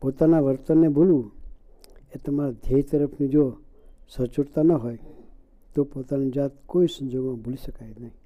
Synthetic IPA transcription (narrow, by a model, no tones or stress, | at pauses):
pot̪anaʋəɾt̪ənːebʱulũ | et̪əmaɾad̪ʱeit̪əɾəpʰnid͡ʒo | sət͡ʃuʈt̪anəɦoj | t̪opot̪anid͡ʒat̪koisə̃nd͡ʒoɡmãbʱuliʃəkajnəɦĩ